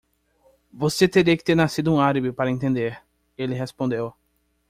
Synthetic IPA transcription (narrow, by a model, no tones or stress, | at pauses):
voset̪eɾiɐkɪ̥t̪eɾnasid̪ʊũaɾibɪpaɾɐẽnt̪ẽnd̪eɾ | elɪɦespõnd̪ew